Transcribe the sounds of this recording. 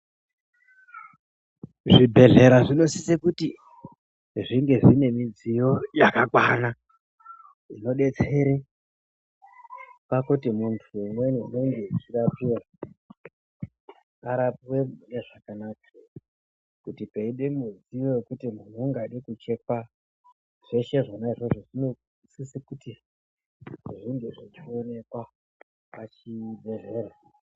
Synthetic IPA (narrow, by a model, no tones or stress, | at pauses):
ʐibʱe̞ɮe̞ɾaʐino̞sisekuti | ʐiŋɡe̞ʐine̞mid͡zijo̞jakakwana | ino̞ɗe̞t͡se̞ɾi | pakutimuntʰuumwenene̞ŋɡe̞it͡ʃirapira | aɾapiweuneʐakanak̚a | kutipeiɗemud͡zijojekutimun̤uːŋɡaɗikut͡ʃe̞ka | ʐ̥eʃe̞ʐanaiʐo̞ʐoʐino̞ | sisikuti | ʐiŋɡeʐit͡ʃio̞ne̞kwa | pat͡ʃiɓe̞ze̞ːɾa